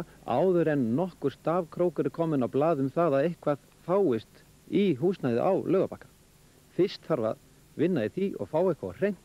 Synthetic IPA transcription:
a̰ːwðʏɾɛnːɔhkʏɾ̥st̪aːvkʰɾoːwkʏɾɪkʰɔːmɪnawplaːðʏmθaːðaðehkvað | faːwɪst̪ | iɦuːsnajðɪ̰ʔa̰wlʔœːɣapakːḁ | fɪst̪faɾva̰ð | vɪnːaðɪθiʔɔ̰ɣfaːwɛhkvar̥ejŋ̥t̪

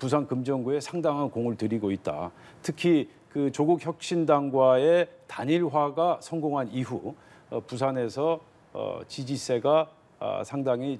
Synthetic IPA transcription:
pusʰankɯmd͡ʑʌŋɡue̞sʰaŋdaŋɦankoŋɯɭtɯɾiɡoit̚t͈a̰ | tʰɯkʰi | kɯt͡ɕoɡukçjʌk̚ɕ͈indaŋɡwae̞taɲiɭɦwaɡasʰʌŋɡoŋɦaniɦṵ | pus̬ʰane̞sʰʌ̰ | t͡ɕid͡ʑis͈ʰe̞ɡa̰ | sʰaŋdaŋi

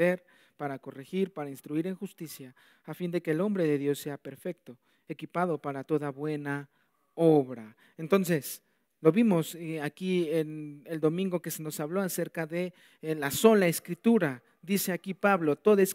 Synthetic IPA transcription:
eɾ | paɾakorexiɾpaɾainst̪ɾuiɾeŋxust̪isjaː | find̪ekeːlo̞mbɾeðeðjo̞sːeapeɾfek̚t̪o | ekipað̞opaɾat̪oðaβwena | oβɾa | ent̪onses | loβimosakieneld̪omĩŋɡokeseno̞saβloaseɾkaðe | lasolaeskɾit̪uɾa | d̪iseakipaβlot̪oðaes

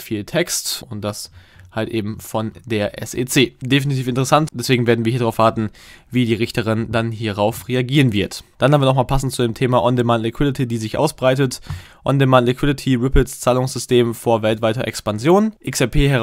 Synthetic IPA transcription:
fiːltʰɛkstʊnt̚d̥as | haltʔeːbm̩fɔndeːɐʔɛ̰seːt͡seːdefinitʰiːfɪntəʁɛsantd̥ɛsv̥eːɡŋ̩veːɐdn̩viɐiɐdaʁaʊv̥aːɐtn̩viːdiːʁɪçtəʁɪndanɦiːɐʁaʊfʁeaɡiːʁ̞ənvɪɐtd̥anhamviɐnɔxmaːlpʰasn̩tt͡sudeːmtʰeːmaʔɔndemantlɪkʰw̥ɪdɪtʰidiːzɪçʔa̰ʊsb̥ʁaɪtət | ʔɔndemantlɪkʰw̥ɪdɪtʰiʁɪpɪst͡saːlʊŋsz̥ʏstʰeːmfoːɐvɛltv̥aɪtɐʔɛ̰kspanzjoːnʔɪksɛpʰeːɦɛɐʁ

